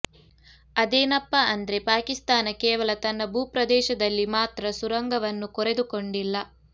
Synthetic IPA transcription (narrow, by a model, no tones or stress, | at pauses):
ɐd̪eːnɐpːɐʔɐnd̪ɐɾe̞paːkist̪aːnɐkɛːʋɐlɐt̪ɐnːɐbʱuːpɾɐd̪ɛːʃɐd̪ɐlːimaːt̪ɾɐsuɾɐŋɡɐʋɐnːukɔɾe̞d̪ukoɳɖilːɐ